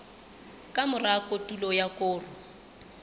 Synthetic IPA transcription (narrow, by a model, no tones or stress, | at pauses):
kʼamʊrakʼotʼulɔjakʼʊːrʊ